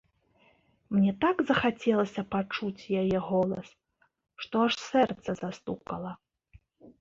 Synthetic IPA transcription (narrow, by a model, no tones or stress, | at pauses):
mnʲɛt̪aɡzɐxat͡sʲɛlˠɐsʲɐpat͡ʂut͡sʲjajɛɣɔlˠɐ̰s | ʂt̪ɔaʂsɛrt̪sɐzast̪ukɐlˠɐ